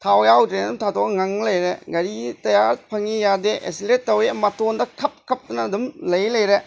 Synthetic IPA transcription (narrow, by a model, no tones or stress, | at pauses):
tʰawjawdɾenɐdumtʰatʰokŋaŋlɐjɾeɡɐɾitɐjaɾpʰɐŋijadeʔḛsilet̚ːɐwemɐtondɐkʰɐp̚kʰɐp̚tunɐːdumlɐjlɐjɾe